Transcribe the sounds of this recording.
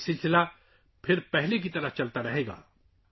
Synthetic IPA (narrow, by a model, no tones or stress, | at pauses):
sɪlsɪla | pʰɪɾpɛɦlek̬it̪ɐɾəɦt͡ʃɐlt̪aɾɐɦeːɡa̰ː